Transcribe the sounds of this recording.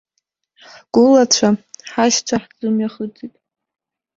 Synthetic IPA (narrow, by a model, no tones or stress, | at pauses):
ɡ̥ʷʊlat͡ɕʷʰaħaʃt͡ɕʷʰaħd͡zɨmjaχəd͡zitʼ